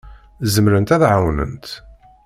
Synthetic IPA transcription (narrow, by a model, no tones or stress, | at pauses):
zəmɾənt̪æθʕawnə̰nt̪